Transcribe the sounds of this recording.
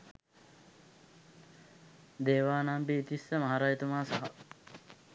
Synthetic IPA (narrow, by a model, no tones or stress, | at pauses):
d̪eːʋaːnambiːt̪isːəmɐɦaːɾaːjt̪umaːsɐɦɐ